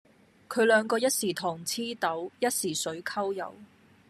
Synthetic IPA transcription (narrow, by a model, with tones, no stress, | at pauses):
kʰɵ˨˧ɥlœː˨˧ŋkɔː˧jɐ˥t̚siː˨˩t̪ʰɔː˨˩ŋt͡sʰiː˥t̪ɐ˨˥wjɐ˥t̚siː˨˩sɵ˨˥ɥkʰɐ˥wjɐ̰˨˧w